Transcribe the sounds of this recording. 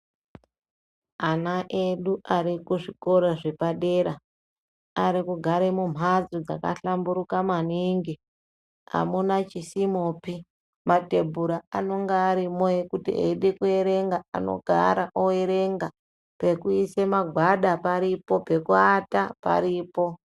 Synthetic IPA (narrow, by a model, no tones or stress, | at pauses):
anaʔeɗuʔaɾikuʐiko̞ɾoʐepaɗe̞ɾa | aɾikuɡʱaɾemum̤ʱad͡zud͡za̰ka̰ɬambuɾukamaniŋɡi | a̰munat͡ʃisimoːpi | mate̞bʱuɾaano̞ŋɡaːɾimojekutḭḛiɗekue̞ɾe̞ŋɡaa̰no̞̰ɡʱa̰ɾaʔoeɾe̞ŋɡa | pe̞kuisemaɡʱwaɗapaɾipo̞pe̞kuatapa̰ɾiːpo̞